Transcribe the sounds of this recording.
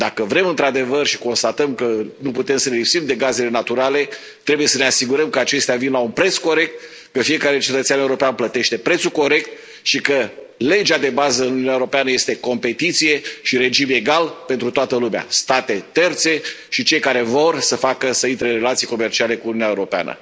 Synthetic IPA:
d̪akəvɾe̞mɨnt̪ɾad̪e̞vərʃiko̞nst̪at̪əmkənuput̪e̞msənelipsimd̪e̞ɡaze̞le̞nat̪uɾale̞ː | ɾe̞buje̞səneasiɡuɾəmkəat͡ʃe̞st̪eavinlaunpɾe̞t̪sko̞ɾe̞k̚t̪̚ | kəfije̞kaɾe̞t͡ʃe̞t̪ət̪saneuɾo̞peanplət̪e̞ʃt̪e̞pɾe̞t̪suko̞ɾe̞k̚t̪̚ | ʃikə | le̞d͡ʒad̪e̞bazəɨnununjaeuɾo̞peanəje̞st̪eko̞mpe̞t̪it̪sije̞ʃiɾe̞d͡ʒime̞ɡalpe̞nt̪ɾut̪oat̪əlumea̰st̪at̪e̞t̪e̞rt̪se̞ | ʃit͡ʃe̞jkaɾe̞vo̞rsəfakəsəint̪ɾeɨɾe̞lat̪sijko̞me̞rt͡ʃiale̞kuununʲaeuɾo̞pea̰nə̰

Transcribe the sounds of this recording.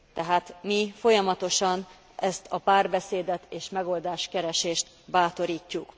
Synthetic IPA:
t̪ɛɦaːt̪mifo̞jɒmɒt̪o̞ʃɒn | ʔɛst̪ʰɒpaːrbɛseːd̪ɛt̪eːʃmɛɡo̞ld̪aːʃkɛɾɛʃeːʃt̪ | baːt̪o̞ɾiːcːuk

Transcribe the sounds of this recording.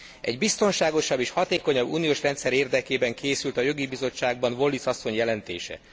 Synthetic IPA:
ɛ̰ɟbist̪o̞nʃaːɡo̞ʃɒbːeːʃhɒt̪eːko̞ɲɒbːṵːnijoːʃrɛnt̪sɛɾeːrd̪ɛkeːbɛŋkʰeːsylt̪ɒjo̞ɡibizo̞t͡ʃːaːɡ̚bɒnvo̞lːisɒsːo̞ɲjɛlɛnt̪ḛːʃɛ̰

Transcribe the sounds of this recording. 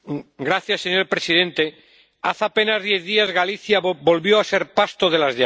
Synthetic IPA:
ɡɾaθjasːeɲo̞ɾpɾe̞siðe̞nt̪e̞ | aθape̞nazðje̞θðiazɣaliθjabo̞lβjo̞ase̞ɾpast̪oð̞e̞lazʎa

